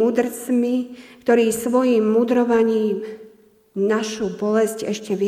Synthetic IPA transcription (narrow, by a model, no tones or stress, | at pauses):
uːd̪rt͡smikt̪ɔɾiːsʋɔjiːmːuːd̪ɾɔʋaɲiːm | naʃubɔlɛscɛʃcɛʋi